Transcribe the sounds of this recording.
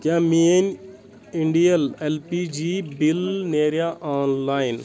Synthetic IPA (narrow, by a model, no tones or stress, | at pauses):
k̪jãmen | iɳɖijəlelpid͡ʒibilneːɾjaʔaːnlaːjn